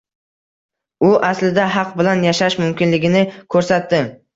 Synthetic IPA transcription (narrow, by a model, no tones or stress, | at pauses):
ʊʔaslɪd̪aɦɑq̚bɪlanjaʃaʃmʊmkʲɪnlɪɡʲɪnɪkʰɵɾsat̪ːɪ